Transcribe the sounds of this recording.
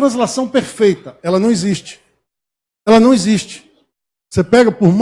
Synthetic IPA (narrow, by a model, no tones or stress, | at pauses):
ɾɐ̃s̬lasɐ̃w̃peɾfejt̪ɐɛlɐnɐ̃w̃eziʃt͡ʃɪ̥ | ɛlɐnɐ̃w̃eziʃt͡ʃɪ̥ | sepɛɡɐpoɾm